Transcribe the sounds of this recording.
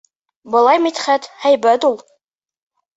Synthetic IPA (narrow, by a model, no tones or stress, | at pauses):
bɤ̆lˠɑjmit̪χæt̪hæjbæt̪ulˠ